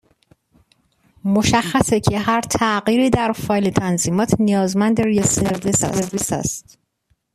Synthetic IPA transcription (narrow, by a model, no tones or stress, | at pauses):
moʃæxːæsecʰeɦæɾt̪ʰæʔɢiːɾiːd̪æɾfɒːjlit̪ʰænziːmɒːt̪ʰnijɒːzmænd̪eɾijeseɾvisæ̰ɾvisæ̰st̪